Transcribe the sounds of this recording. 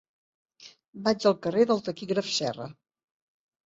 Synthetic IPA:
bad͡ʒəlˠkəreðəlˠt̪əkiɣɾəfsɛrə̰

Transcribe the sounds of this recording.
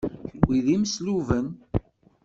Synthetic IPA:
çəwiðimsluvən

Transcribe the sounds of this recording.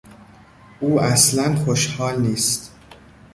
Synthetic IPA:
ʔuːæslænxoʃhɒːlniːst̪

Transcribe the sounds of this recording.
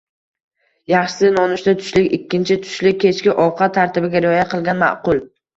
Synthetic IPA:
jɑχʃɪ̥sɪnɒnʊʃt̪at̪ʰʊ̥ʃlɪkʲɪkʲʰːɪnt͡ʃʰɪt̪ʰʊ̥ʃlɪk̚ʲʰːe̞t͡ʃkʲɪʔɒwqʰɑt̪ʰːaɾt̪ʰɪbɪɡʲaɾɪɒjaqʰɨlˠɡʲanma̰ʔqʊlˠ

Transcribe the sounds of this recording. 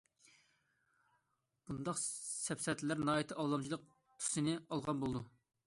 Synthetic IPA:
b̥und̪ɑqsɛpsɛt̪ʰlæɾnɑːit̪ʰɨʔɑlˠːɑmd͡ʒʰilˠəq̚ | t̪ʰu̥sɨnɨɑlˠʁɑnbolˠɨd̪u

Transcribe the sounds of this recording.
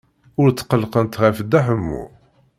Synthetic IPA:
ʊɾt͡sːqəlqənt̪ʁæfəd̪ːæħəmːṵ

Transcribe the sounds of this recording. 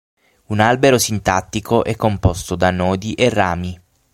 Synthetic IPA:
unalbeɾosint̪at̪ːikʰoʔɛkːompɔst̪od̪anɔːd̪iʔerːaːmi

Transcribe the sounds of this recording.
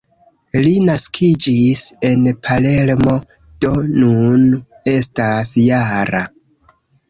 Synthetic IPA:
linaskʰid͡ʒise̞npʰale̞lmo̞ | d̥o̞nun | e̞stasjaɾa

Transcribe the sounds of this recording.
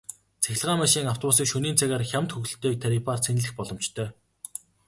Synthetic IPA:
t͡sʰæxʲɪ̆ɮʁaːmaʃiːŋaw̥t̪ʰɔpusiːkʃuniːnt͡sʰæɣaːrxʲamt̪xuxɘ̆ɬt̪eːt̪ʰaɾipaːrt͡sʰenɮɘ̆xpɔɮɞ̆mt͡ɕt̪ʰœː

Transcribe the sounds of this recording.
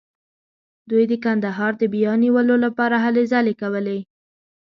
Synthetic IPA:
d̪ujd̪əkand̪aɦɑɾd̪əbijɑniwəlolapɑɾaɦalezɑlekawəle

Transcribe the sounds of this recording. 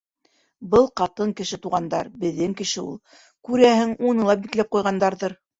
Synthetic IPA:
bɤlˠqɑt̪ɤŋkɘ̆ʃɘt̪uʁɑnd̪ɑɾbɘ̆ðːɘŋkɘ̆ʃɘṵlˠ | kʉɾæhɘŋunɤ̆lˠɑp̚biklæp̚qujʁɑnd̪ɑɾðɤɾ

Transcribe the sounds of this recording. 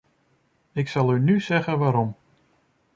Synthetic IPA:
ɪksɑlˠynyzɛɣənʋaːɾɔm

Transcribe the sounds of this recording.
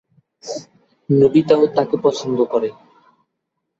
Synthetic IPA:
nobit̪aot̪akepɔsʰond̪okɔɾe

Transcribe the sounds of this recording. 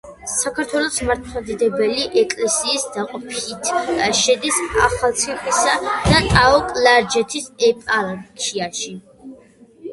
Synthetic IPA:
sakʰaɾt̪ʰwɛlˠɔsmaɾt̪̚ʰmad̪id̪ɛbɛliʔɛkʼlɛsiːsd̪aqʼɔpʰit̪ʰʃɛd̪isaχalˠt̪sʰiχwisad̪̥at̪ʼaɔkʼlaɾd͡ʒɛt̪ʰisɛpʼalkʰiaʃi

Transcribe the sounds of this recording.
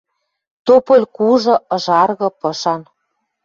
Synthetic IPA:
t̪opɤ̆lʲkuʒɤ̆ɤ̆ʒɑrɣɤ̆pɤ̆ʃɑn

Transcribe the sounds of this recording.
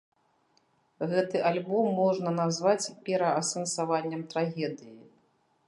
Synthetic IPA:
ɣɛt̪ɨʔalʲbɔmːɔʐnɐnazvat͡sʲpʲɛɾɐɐsɐnsavanʲːɐmt̪ɾaɣʲɛd̪ɨji

